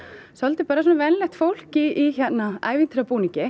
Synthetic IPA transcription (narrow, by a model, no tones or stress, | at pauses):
sɔlt̪ɪpaːɾasɔːnavɛnlɛht̪fowl̥ciːçɛt̪naa̰ːjvint̪ʰɾapuːnicɪ